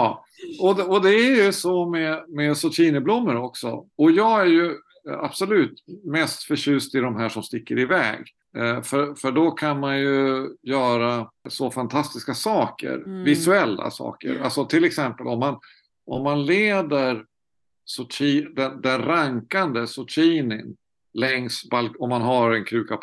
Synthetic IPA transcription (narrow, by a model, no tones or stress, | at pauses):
jɑ | ɔd̪ɛɔd̪ɛæɾjɵsɔmɛmɛsɔʈ̪ʰiːnəblʊmːəɾɔksɔ̰ɔjɑːɡæɾjɵ | a̰b̥sɔlʉ̟ːt̪mɛst̪fœɕʉ̟ːst̪ɪd̪ɔmɦæːʂɔmst̪ɪkːəɾɪvɛ̰ːɡ | fœfœɖɔkʰanmanjɵjœːɾasɔfant̪ʰast̪ɪskasɑːkə̰ɾvɪsɵɛlːa̰sɑ̰ːkə̰ɾalsɔt̪ʰɪlɛksɛmpəlɔmːan | ʔɔmːanleːd̪əɾ | sɔtʰiːd̪ɛnd̪ɛnɾaŋkand̪əsɔtʰiːnɪn | lɛŋsbalkɔmːanɦaɾɛnkʰɾʉ̟ːkap